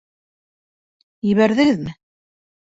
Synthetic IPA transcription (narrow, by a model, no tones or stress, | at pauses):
jɘ̆βæɾðɘ̆ɡɘðmɘ